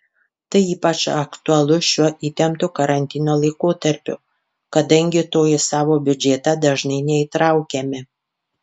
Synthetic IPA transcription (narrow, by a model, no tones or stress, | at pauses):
t̪ɐɪiːpɐt͡ʃɐkt̪ʊɐlˠʊʃʲuɔʔiːt̪ʲɛmt̪ʊkɐɾɐnʲt̪ʲɪnoːlˠɐɪkoːt̪ɐɾʲpʲʊ̰ | kɐd̪ɐŋʲɡʲɪt̪oːjɪsɑːʋoːbʲʊd͡ʒʲet̪ɐd̪ɐʒnɐɪnʲɛiːt̪ɾɐʊkʲɛmʲɪ